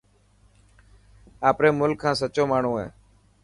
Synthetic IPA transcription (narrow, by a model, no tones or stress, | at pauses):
aːpɾeːmʊlkʰːãːsət͡ʃoːmaːɳ̤ũːɦḛː